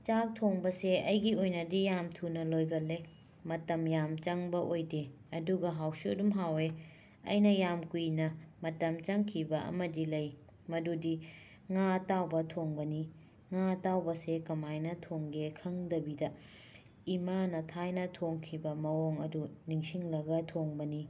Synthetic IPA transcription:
t͡ʃak̚tʰoŋbɐseɐjɡiojnɐdijamtʰunɐlojɡɐlːe | mɐtɐmjamt͡ʃɐŋbɐʔojde | ɐduɡɐɦawsudumɦawe | ɐ̰jnɐjamkujnɐmɐtɐmt͡ʃɐŋkʰibɐʔɐ̰mɐdilɐj | mɐdudi | ŋatawbɐtʰoŋbɐni | ŋatawbɐsekɐmajnɐtʰoŋɡekʰɐŋdɐbidɐ | imanɐtʰajnɐtʰoŋkʰibɐmɐwoŋɐduniŋsiŋlɐɡɐtʰoŋbɐni

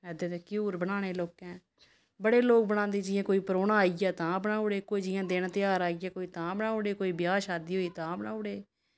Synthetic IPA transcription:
ɛːd̪eːt̪eːkɪjuːɾbənaːɽ̃eːloːkɛ̃ː | bəɽeːloːk̚bəɽ̃ãːnd̪eːd͡ʒɪjãːkoːiːpɾoːnaːijaːt̪ãːbənaːoɽeːkoːiːd͡ʒɪjãːd̪eːnat̪ɪjaːɾaːijaːkoːiːt̪ãːbənaːoɽeːkoːiːbɪjaːʃaːd̪iːɦoːiːt̪ãːbənaːoɽeː

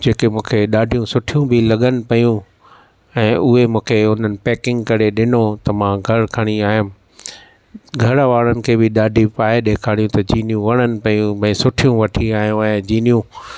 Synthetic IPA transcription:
d͡ʑeːkemũːkʰeɗaːɖʱijũsʊʈʰijũbʱɪlɐɠənɪ̆pɐjũ | ɛ̃ːʔʊɦemũːkʰeʊn̤ənɪ̆pɛːkɪ̃ŋɡkɐɾeɗɪnot̪ɐmãɡʱɐɽkʰɐɽ̃iaːɦɪm | ɡʱɐɾʋaːɽənɪ̆kʰeːbɪɗaːɖʱipaːeɗeːkʰaːɽ̃jũt̪ɐd͡ʑiːnijũʋɐɽ̃ənɪ̆pɐjũbɛ̃ːsʊʈʰijũʋɐʈʰiaːɦijũɛ̃d͡ʑiːnijũ

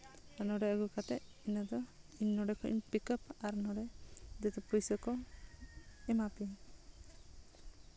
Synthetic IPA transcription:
anɔɽɛəɡukat̪ɛʔ | inad̪ɔiɲnɔɖɛkʰɔḭɲpikəpaɾnɔɖɛd͡ʒɛt̪ɛpujsɔkɔ | ɛmapi

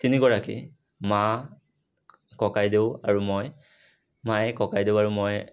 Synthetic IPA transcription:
tiniɡɔɹakḭ | ma | kɔkajdeʊa̰ɹumɔj | majɛkɔkajdeʊaɹumɔj

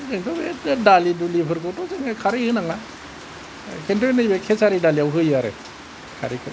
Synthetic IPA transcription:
zeŋtɔbedalidulipʰɯɾkotɔzeŋɯkʰaɾehɯnaŋa | kʰentɯknɯjbekʰesaɾidaliawɦɯjaɾḛ | kʰa̰ɾikʰɯ

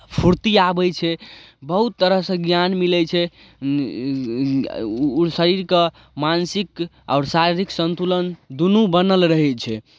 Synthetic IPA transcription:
pʰuɾt̪iabɛjt͡ʃʰɛbəɦut̪ːəɾəɦsə̃ɡjanmilɛt͡ʃʰɛ | səɾiɾkə | mansik | aʊɾsaɾiɾiksənt̪ulənd̪unubənəlɾəɦɛt͡ʃʰɛ

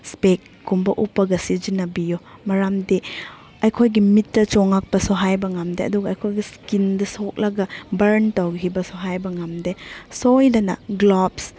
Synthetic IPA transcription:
spekːumbɐʔupːɐɡɐsid͡ʒinɐbijɔmɐɾamde | ɐjkʰojɡimitːɐt͡ʃɔŋak̚pɐsɔɦajbɐŋamdeɐ̰duɡɐːjkʰojɡiskindɐsok̚lɐɡɐbɐɾntawɡɦibɐsoɦajbɐŋamdesojlɐnɐɡlɔps

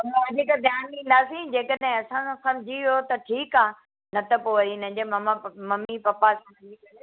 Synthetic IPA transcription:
ɐmãɐdʱikad̪ʱjaːnĩːnd̪aːsĩd͡ʑeːkəɗɦɪ̃ɐsãsɐ̃md͡ʑʱijot̪ɐʈʰiːkaː | nɐt̪ʰɐpoɐɾinɐ̃ɦɪ̃ɲd͡ʑemɐmamɐmipɐpasɐ̃md͡ʑike

